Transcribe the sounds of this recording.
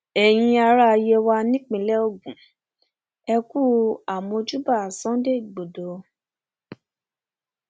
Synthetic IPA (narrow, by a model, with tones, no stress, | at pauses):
ɛ˨j̃ĩ˧a˧ɾa˦˧je˧wa˧nĩ˦k͡pĩ˨lɛ˦o˦˨ɡũ˨ | ɛ˧ku˦˨a˨mɔ̃˧d͡ʒu˦ba˦˨sã˨˦de˦i˦˨ɡ͡bo˨do˨